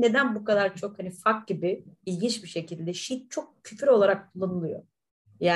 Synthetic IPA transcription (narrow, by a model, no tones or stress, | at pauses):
ne̞d̪ænbukad̪aɾt͡ʃʰo̞khanifak̚ɟibiilʲɟint͡ʃbiʃe̞cʰilʲd̪ɛʃit̪̚t͡ʃʰo̞k̚cʰyfyɾo̞lˠaɾak̚kʰulˠːanɯlˠɯjo̞̰ | jaː